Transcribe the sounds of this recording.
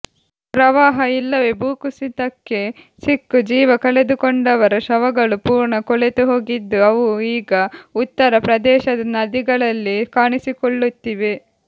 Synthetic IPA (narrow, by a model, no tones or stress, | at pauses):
pɾɐʋaːɦɐilːɐʋe̞buːkusid̪ɐkːe̞ | sikːud͡ʒiːʋɐkɐɭe̞d̪ukoɳɖɐʋɐɾɐʃɐʋɐɡɐɭupuːɾɳɐkɔɭet̪uɦo̞ːɡid̪ːuɐʋuiːɡɐut̪ːɐɾɐpɾɐd̪ɛːʃɐd̪ɐnɐd̪iɡɐɭɐlːikaːɳisikoɭːut̪ːiʋe̞